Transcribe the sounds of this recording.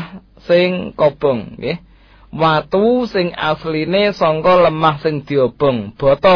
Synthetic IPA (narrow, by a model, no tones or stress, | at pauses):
h | sɪŋkob̥ɔ̤ŋɡeh | wat̪usɪŋa̰slinesɔŋkɔləmahsɪŋd̪̥i̤ob̥ɔ̤ŋb̥ɔ̤t̪ɔ